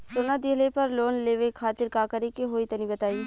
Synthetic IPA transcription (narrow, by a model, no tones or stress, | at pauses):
sonad̪iɦlepɐɾloːnleːʋekʰaːt̪ɪɾkaːkəɾekeɦoːit̪ɐnibɐt̪aːi